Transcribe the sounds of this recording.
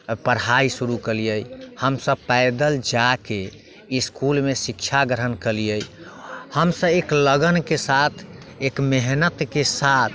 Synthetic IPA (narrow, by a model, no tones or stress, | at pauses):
pəɾɦaisuɾukəlijəjhəmsəbpɛɪd̪əld͡ʒake | iskulmesikt͡ʃʰaɡɾɦənkəlijəjhəmsə̃ekləɡənkesat̪ʰ | ekmeɦnət̪kesat̪ʰ